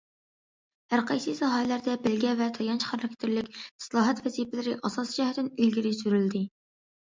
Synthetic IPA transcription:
hæɾqɑjsɨsɑɦɑlæɾd̪ɛbɪlɡʲɛvɛt̪ʰɑjɑnt͡ʃʰχæɾɑkʲt̪ʰɪɾlɪkʲsɨlˠɑːɦɛt̪vɛzipɪlɪɾɪʔɑsɑsd͡ʒɛhɛt̪ɪnylɡʲiɾɪsyɾyld̪ɪ

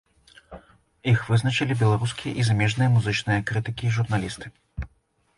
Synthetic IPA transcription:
ixvɨznɐt͡ʃɨlʲibʲɛlˠaɾuskʲijɐʔizamʲɛʐnɨjɐmuzɨt͡ʂnɨjɐkɾɨt̪ɨkʲiːʐurnalʲist̪ɨ

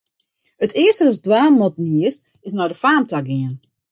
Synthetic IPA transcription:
ətʰɪəstəəsdwaːmɔtniəs | ɪsnɔjdəfaːmtaɡɪən

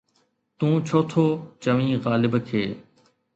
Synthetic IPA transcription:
t̪ũːt͡ʃʰoːt̪ʰoːt͡ʃəʋĩːɣaːlɪbkʰeː

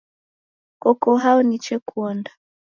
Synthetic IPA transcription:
kɔkɔɦaɔnit͡ʃɛkʰuɔnda

